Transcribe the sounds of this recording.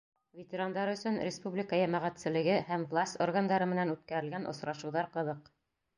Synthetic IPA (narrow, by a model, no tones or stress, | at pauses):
vʲet̪ʲɪɾand̪ɑɾɵ̆sɵnɾʲɪspublʲɪkəjæmæʁæt̪sɘ̆lɘ̆ɡɘhæmvlˠasʲt̪orɡand̪ɑɾɤmɘ̆nænʉt̪̚kæɾɘ̆lɡænʔŏ̰sɾɑʃɤ̆wðɑɾqɤ̆ðɤq